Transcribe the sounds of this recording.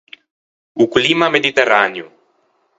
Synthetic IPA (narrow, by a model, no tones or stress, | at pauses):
uklimamed̪it̪eɾanju